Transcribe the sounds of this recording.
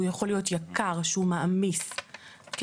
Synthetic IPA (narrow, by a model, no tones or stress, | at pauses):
ujaχo̞lijo̞tjakaʁʃehumaʔamisk